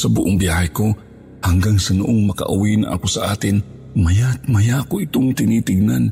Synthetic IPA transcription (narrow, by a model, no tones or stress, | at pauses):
sɐbʊʔoŋbiaːhɐjko | haŋɡaŋsɐnʊʔoŋmɐkɐ̰ʔʊwinaŋʔa̰kosɐʔa̰ːt̪ɪn | mɐjat̪mɐjakoʔɪt̪oŋt̪ɪnit̪ɪɡ̚nan